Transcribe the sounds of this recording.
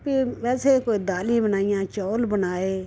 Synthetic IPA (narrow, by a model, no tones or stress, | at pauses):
piʋɛːseːkoːiːd̪aːlĩːbənaːɪjãːt͡ʃɔːlbənaːeː